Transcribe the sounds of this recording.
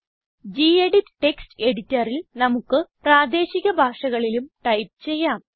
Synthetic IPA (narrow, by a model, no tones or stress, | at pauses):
d͡ʑiːeɽitːʈe̞kstɨe̞ɽitːɐrilnɐmukːɨpraːd̪e̞ːɕiɣɐbʱaːʂɐɣɐɭilumʈɐjp̚t͡ɕe̞jːaːm